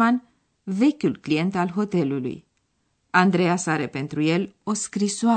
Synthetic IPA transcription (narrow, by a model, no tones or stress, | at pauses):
an | ve̞kʲulklije̞nt̪alɦo̞t̪e̞lulṵj | and̪ɾe̞jasaɾepe̞nt̪ɾuje̞lo̞skɾisoa